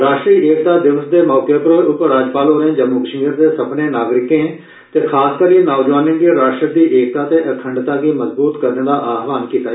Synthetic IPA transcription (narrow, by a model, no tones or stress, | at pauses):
ɾaːʃʈɾiːʔeːkt̪aːd̪ɪʋəsd̪eːmɔːkepɾoːʔʊpəɾɾaːd͡ʒpaːlɦoːɾẽːd͡ʒəmuɡəʃiːəɾd̪eːsəpneːnaːɡɾɪkẽː | t̪eːkʰaːskəɾiːnaːd͡ʒʋaːnɪnɡiɾaːʃʈɾək̚d̪iːʔeːk̚t̪aːt̪eːʔəkʰəɳɖt̪aːɡiːməzbuːt̪kəɾnẽːd̪aːʔaːɦʋaːnkiːt̪aːe